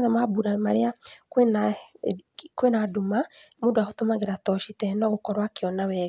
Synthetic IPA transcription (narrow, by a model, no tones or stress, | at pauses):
ðɛmabuɾamaɾeakena | kwenadumamodoahotomaɣeɾatɔʃitɛnɔɣokɔɾwakeɔnawɛ